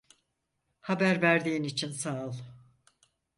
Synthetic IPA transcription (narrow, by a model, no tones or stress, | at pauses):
habæɾvæɾd̪iːinit͡ʃʰinsaɯlˠ